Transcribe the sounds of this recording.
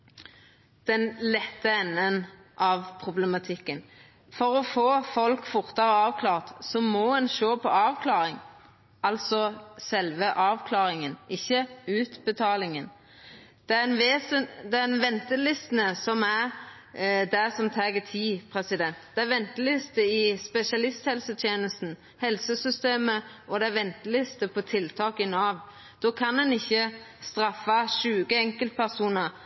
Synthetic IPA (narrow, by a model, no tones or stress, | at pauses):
d̪̥ɛnlɛt̪ːəɛnːən | ʔɑʋpʰʁʊblɛmɑt̪ʰɪkːən | fɔɾɔfoːfɔlkfʊʁt̪ɑɾɑːʋkʰlɑːʁt̪sɔmɔɛnʃoːpʰɔɑːʋkʰlɑːɾɪŋ | ɑlt̪sɔsɛlʋəʔɑːʋkʰlɑːɾɪŋənɪçːəʉːt̪bət̪ʰɑːlɪŋən | d̪̥ɛæɛnʋsəd̪ɛæɛnʋɛnt̪əlɪst̪nəsɔmæɾ | d̪æsɔmt̪ʰeːɡət̪ʰiːpʰɾɛsɪd̪ɛnt̪d̪̥ɛæɾʋɛnt̪əlɪst̪əɪspɛsɪɑlɪst̪hɛlsət̪ʰjeːnəst̪n̩ | hɛlsəsʏst̪eːməʔɔd̪ɛæʋɛnt̪əlɪst̪əpʰɔt̪ʰɪlt̪ʰɑːkɪnɑːʋ | d̪̥oːkʰɑndɛnɪçːəst̪ɾɑfːɑʃʉːɡəɛŋkəlt̪̚pʰæʁsuːnəɾ